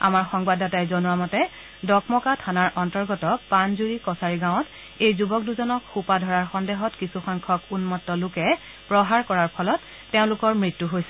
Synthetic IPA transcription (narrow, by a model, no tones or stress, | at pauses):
a̰maɹxɔŋbadatajzɔnuamɔtɛ | dɔkmɔkatʰanaɹʔɔntɔɹɡɔtɔpanzuɹikɔsaɹiɡãʊ̃t | ejzubɔk̚duzɔnɔkxupadʱɔɹaɹxɔndeɦɔtkisuxɔŋkʰɔkunmɔtːɔlʊkɛ | pɹɔɦaɹkɔɹaɹpʰɔlɔtː | eʊ̃lʊkɔɹmɹitːuɦojsɛ